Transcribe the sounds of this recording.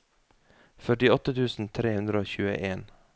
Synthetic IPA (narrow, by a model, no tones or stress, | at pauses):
fœʈɪɔt̪ət̪ʰʉːsn̩t̪ʰɾeːhʉnd̪ɾəoːçʉːə̰ʔeːn